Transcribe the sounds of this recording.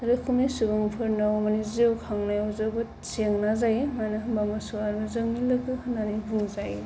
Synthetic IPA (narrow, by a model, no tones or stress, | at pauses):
aɾɯkʰumnisubɯŋpʰɯɾnawmaniziwkʰaŋnajɔzɯbɯ | seŋnazajemanabamasuaɾmɯzɯŋnilɯɡɯhɯnanibʱuŋzaj